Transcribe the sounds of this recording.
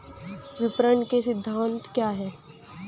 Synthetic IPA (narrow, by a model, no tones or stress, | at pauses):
ʋɪpɾəɳkesɪd̪ʱːaːnt̪kjaːɦɛː